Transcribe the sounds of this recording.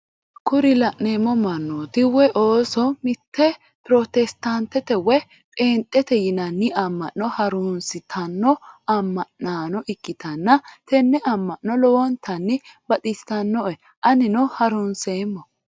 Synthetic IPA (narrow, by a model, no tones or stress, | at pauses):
kʊɾɪlɐʔneːmːɔmɐnːoːt̪ɪwɛʔoːsɔmɪt̪ːɛ | pɾɔt̪ɛst̪ɐnt̪ːɛt̪ɛwɛ | pʼeːnt̪ʼːɛt̪ɛjɪnɐnːɪʔɐmːɐʔːɔhɐɾʊnsɪt̪ʰɐnːɔɐmːɐʔːaːnɔʔɪkːɪt̪ɐnːɐt̪ɛnːɛʔɐmːɐnːɔlɔwɔnt̪ʰːɐnːɪbɐt̪ʼɪst̪ɐnːɔʔɛ | ʔɐnɪnɔhɐɾʊnseːmːɔ